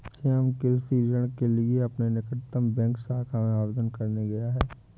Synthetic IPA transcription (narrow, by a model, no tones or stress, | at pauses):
t͡ʃʰeəmkɪɾsiːd͡ʒəɽ̃kelieɐpnenɪkət̪ːəmbɛ̃ːŋksaːkʰamẽaːʋd̪ənkɐɾneɡɐjaɦɛː